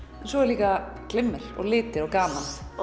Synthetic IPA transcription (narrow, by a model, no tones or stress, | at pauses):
ɛnsɔɛɾliːkaklɪmːɪɾ̥ɔ̰ɣlɪːt̪ɪɾawkaːman